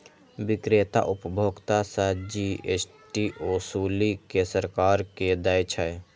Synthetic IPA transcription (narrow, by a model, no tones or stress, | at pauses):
bɪkɾet̪a̰ʔʊpəbʱoːɡt̪asad͡ʒies | ʈiʔosuːlikesəɾkaːɾked̪əjt͡ʃʰəj